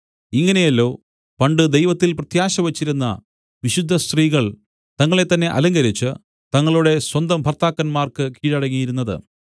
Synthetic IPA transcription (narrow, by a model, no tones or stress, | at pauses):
iŋːɐne̞jɐlːo̞ː | pɐɳɖɨd̪ejʋɐt̪ːilprɐt̪jaːɕɐʋɐt͡ɕːiɾunːɐ̰ | ʋiɕud̪ʱːɐst̪riːɣɐɭ | t̪ɐŋːɐɭe̞t̪ːɐnːe̞ʔɐ̰lɐŋɡɐɾit͡ɕːɨ | t̪ɐŋːɐɭuɽe̞swɐnd̪ɐmbʱɐrt̪aːkːɐnmaːrkɨkiːɻɐɽɐŋːijiɾunːɐðɨ̰